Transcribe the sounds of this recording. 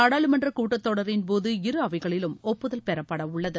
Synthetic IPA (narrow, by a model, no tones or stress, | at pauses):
aːɽaːɭɯmɐndrɐkuːʈːɐt̪ːɔɽɐɾɪnpoːðɯɪɾɯɐʋɐɪɣɐɭɪlɯmɔpːɯðɐlpɛɾɐpːɐɽɐʊɭːɐðɯ